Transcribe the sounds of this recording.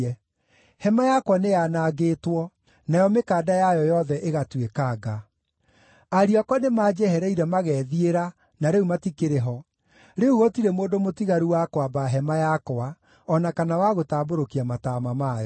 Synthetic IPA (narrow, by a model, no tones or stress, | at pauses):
ɛ | hɛmajakwanejanaɣeːtwɔ | najɔmekaːdajajɔjɔðɛʔeɣatwekaːɡa | aɾiɔkɔnemaːd͡ʒɛhɛɾɛiɾɛmaɣɛːðieɾa | naɾeumatikeɾeɦɔ | ɾeuɣɔtiɾɛmoːdomotiɣaɾuwakwabaɦɛmajakɔa | ɔnakanawaɣotaːboɾokiamatamamajɔ